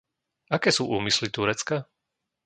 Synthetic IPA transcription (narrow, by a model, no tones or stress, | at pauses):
akɛːsuːʔṵːmislit̪uɾɛt͡ska